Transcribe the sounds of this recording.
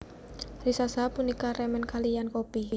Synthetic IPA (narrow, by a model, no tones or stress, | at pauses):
risasapunikaɾɛmɛnkalijankopi